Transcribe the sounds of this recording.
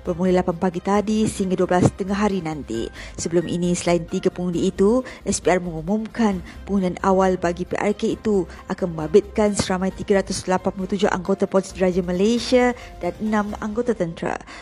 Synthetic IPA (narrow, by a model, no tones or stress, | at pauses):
b̥ərmulilapanpaɡit̪adisəhiŋɡaduəbəlast̪əŋaɦaɾinãnt̪ḭsəbəlumʔḭnĩsəlaint̪iɡapəŋundiːt̪uʔɛspiarmə̃ŋumũmkan | pəŋunanawalbaɡipḛʔa̰rkeit̪u | ʔakanmə̃mbabɪt̪̚kansəɾamãjt̪iɡaɾat̪ʊslapanpulut̪ud͡ʒʊhʔa̰ŋɡot̪apɔtsdəɾad͡ʒaməlajsia | danənãma̰ŋɡot̪at̪ənt̪ɾa̰